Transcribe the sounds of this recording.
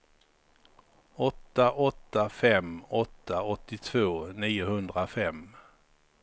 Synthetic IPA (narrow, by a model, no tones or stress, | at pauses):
ɔt̪ːaʔɔt̪ːafɛmɔt̪ːaɔt̪ːɪt̪ʰvoːniːʊhɵnd̪ɾafɛmː